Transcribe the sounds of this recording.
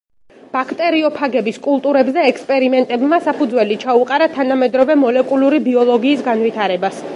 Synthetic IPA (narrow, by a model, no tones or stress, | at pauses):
b̥akʰt̪ʼɛɾiɔpʰaɡɛbiskʼulˠt̪ʼuɾɛbzɛːkspʼɛɾimɛnt̪ʼɛbmasapʰud̪zwɛlit͡ʃʰauqʼaɾat̪ʰanamɛd̪ɾɔvɛmɔlɛkʼuluɾibiɔlˠɔɡiːsɡanvit̪ʰaɾɛbas